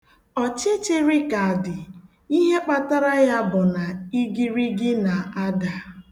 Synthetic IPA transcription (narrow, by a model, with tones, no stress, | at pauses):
ɔ˨t͡ʃe˦t͡ʃe˦ɾi˦ka˨a˨dɪ˨ | i˦ɦe˦k͡pa˦ta˦ɾa˦ja˦bʊ˨na˨i˦ɡi˦ɾi˦ɡɪ˦na˨a˦da˨